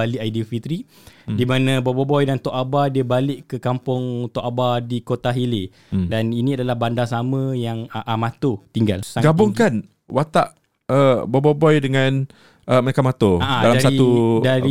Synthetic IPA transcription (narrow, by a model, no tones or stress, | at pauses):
alɪʔaidifit̪ɾi | dimãnãbɔbobɔjdant̪oʔabadiəbalɪʔkəkampʊŋt̪ɔʔabadikot̪aɦile | daninĩadalahbandasamə̃jaŋʔamãt̪ot̪iŋɡalsaɡabʊŋkan | wat̪aʔ | əbobɔbɔjdəŋan | ʔəmənekamat̪oaʔadalaaɾsaiudaɾi